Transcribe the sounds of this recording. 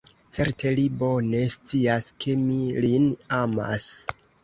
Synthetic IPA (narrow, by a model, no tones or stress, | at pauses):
t͡se̞ɾtʰe̞libo̞ne̞st͡siaskʰe̞milinama̰s